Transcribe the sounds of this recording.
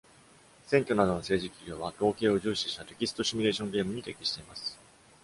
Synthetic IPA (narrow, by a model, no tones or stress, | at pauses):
sẽ̞ŋkʲo̞nad̪o̞no̞se̞ːʑikʲiɡʲo̞ːβat̪o̞ːkʲe̞ːo̞ʑɨːɕi̥ɕi̥t̪at̪e̞kʲisɨ̥t̪o̞ɕimʲiɾe̞ːɕõ̞ŋɡe̞ːmɯ̟ɲ̟it̪e̞kʲiɕi̥t̪e̞imasɨ̥